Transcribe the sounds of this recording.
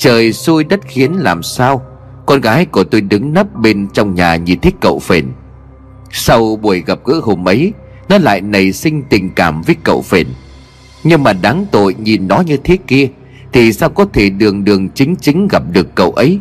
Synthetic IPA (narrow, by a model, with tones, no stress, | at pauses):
t͡ɕəː˨˩jsu˧jɗə˦˥t̚xi˨˦ənlaː˨˩msaː˧w | kɔ˧nɣaː˨˦jku˧˩ət̪o˧jɗɨ˨˦ŋnə˦˥p̚ɓe˧nt͡ɕɔ˧wŋ͡mɲaː˨˩ɲi˨˩nt̪ʰï˦kə̰˧˨wfe˧˩n | sa˧wɓu˧˩əjɣə˨˩p̚ɣɨ̰˧˥ɦo˧mʔə˨˦j | nɔ˨˦la̰ː˧˨jnə˨˩jsï˧ŋ̟t̪ï˨˩ŋ̟kaː˧˩mvəː˨˦jkə̰˧˨wfe˧˩n | ɲɨ˧ŋmaː˨˩ɗaː˨˦ŋt̪o̰˧˨jɲi˨˩nɗɔ˨˦ɲɨ˧t̪ʰe˦ki˧ə | t̪ʰi˨˩saː˧wkɔ˨˦t̪ʰe˧˩ɗɨ˨˩əŋɗɨ˨˩əŋt͡ɕï˨˦ŋ̟t͡ɕï˨˦ŋ̟ɣə˨˩p̚ɗɨ˨˩əkːə̰˧˨wʔə˨˦j